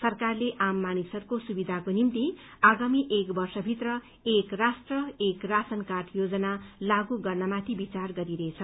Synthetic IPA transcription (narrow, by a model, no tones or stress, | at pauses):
sʌrkarleʔamːanisʌrkosubid̪ʱakonimt̪i | aɡamiʔekbʌrsʌbʱit̪rʌ | ekrasʈrʌekrasʌnkarʈʰjod͡zʌnalaɡuɡʌrnʌmat̪ʰibit͡sarɡʌɾiɾet͡sʰʌ